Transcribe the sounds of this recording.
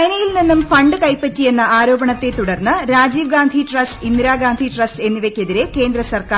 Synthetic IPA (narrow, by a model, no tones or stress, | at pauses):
ɐnɐjilninːumfɐɳɖɨkɐjpːɐtːije̞nːɐʔaːɾo̞ːbɐɳɐt̪ːe̞t̪uɽɐrnːɨɾaːd͡ʑiːʋɡaːnd̪ʱiʈrɐstind̪ɾaːɡaːnd̪ʱiʈrɐse̞nːiʋekʲːe̞ðiɾe̞ke̞ːnd̪ɾɐsɐrkaː